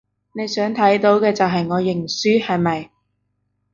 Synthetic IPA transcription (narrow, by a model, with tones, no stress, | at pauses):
ne˨˧jsœː˨˥ŋt̪ʰɐ˨˥jt̪o˨˥wkɛː˧t͡sɐ˨wɦɐ˨jŋɔː˨˧jɪ˨˩ŋsyː˥hɐ˨jmɐ˨j